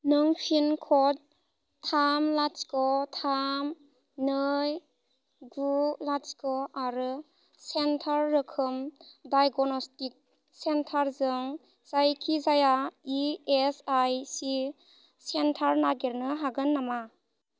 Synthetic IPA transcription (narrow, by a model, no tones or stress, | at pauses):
nɯŋpʰinkʰɔt̚ | tʰamlat͡ʃkɔtʰam | nɯj | ɡulat͡ʃkɔaɾɯ | sentʰaɾːɯkʰɯmdajɡɔnɔstik̚ | sentʰaɾzɯŋ | z̥ajkʰizajaiesajsi | sentʰaɾnaɡeɾnɯɦaɡɯnːama